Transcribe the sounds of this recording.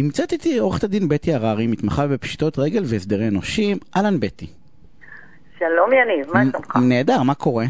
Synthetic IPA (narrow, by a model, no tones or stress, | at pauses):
nimt͡sat̪it̪ioʁeχe̥t̪ad̪inbetiaʁaʁimit̪maχavbepʃi̥t̪o̞t̪ʁeɡe̞lveːsd̪e̞ʁeːno̞ʃimʔalanbet̪i | ʃalomjanivmaomχane̞ːd̪aʁmako̞ʁe